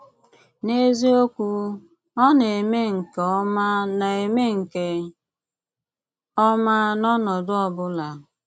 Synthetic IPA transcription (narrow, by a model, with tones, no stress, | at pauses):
ne˦zi˦o˦kʷu˦ | ɔ˦n˨e˨me˦ŋ̩˨ke˨ɔ˦ma˦na˨e˨me˦ŋ̩˨ke˨ | ɔ˦ma˦nɔ˦nɔ˨dʊ˦ɔ˨bʊ˦la˨